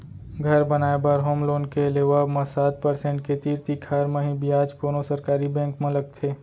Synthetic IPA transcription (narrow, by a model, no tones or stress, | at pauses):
ɡʱɐɾbɐnaːebəɾɦoːmloːnkeleʋaːbmɐ̃saːt̪̚pɐɾsẽːɳʈket̪iːɾt̪ikʰaːɾmẽɦĩbiaːd͡ʒkoːnosɐɾkaːɾibɛ̃ːŋkmẽləkt̪ʰeː